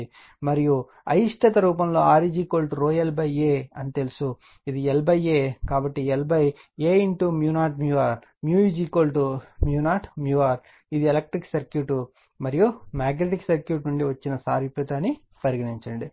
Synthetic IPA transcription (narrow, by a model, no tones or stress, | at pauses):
i | mɐɾiju | ɐ̰jiʂʈʰɐt̪ɐɾuːpɐmlo̞ːaːɾid͡ʒiːkoːlʈɾoːelbɐjeːɐnit̪elusu | id̪ielbɐjeːkaːbɐʈːielbɐj | eːiɳʈumjuːnaːʈmjuʋaːɾ | mjuːid͡ʒiːkoːlʈumjuːnaːʈmjuːʋaːɾ | id̪ieleɐk̚ʈɾiksɐɾkjuːʈu | mɐɾijumaːɡneʈiksɐɾkjuːʈnuɳɖiʋɐt͡ʃːinɐsaːɾipɾɐt̪aːni | pɐɾiɡɐniɲt͡ʃɐɳɖi